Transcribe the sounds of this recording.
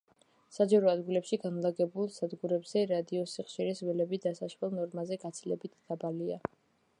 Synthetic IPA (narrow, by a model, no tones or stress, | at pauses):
sad͡ʒaɾɔad̪ɡilɛpʃiɡanlˠaɡɛbulˠsad̪ɡuɾɛbz̥ɛɾad̪iɔsiχʃiɾisvɛlɛbid̪asaʃwɛlˠnɔɾmazɛɡat̪sʰilɛbit̪ʰd̪̥abalia